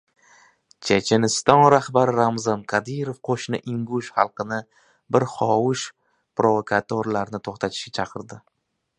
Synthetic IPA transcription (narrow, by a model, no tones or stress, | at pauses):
t͡ʃʰet͡ʃʰenɪst̪ɒnɾahbaɾɪɾamzɒnqʰad̪ijɾofqʰoʃnɪʔɪŋɡʊʃχɑlˠqɨnɪ | bɪɾχɒwʊʃ | pɾovokʰat̪ʰoɾlaɾnɪt̪ʰoχt̪ʰat̪ʰɪ̥ʃɡʲat͡ʃʰɑqʰɨɾd̪ɪ